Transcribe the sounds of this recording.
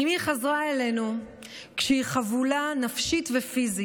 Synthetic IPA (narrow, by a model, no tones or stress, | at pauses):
imiχazʁaele̞nu | kʃehiχavulanafʃitvefizi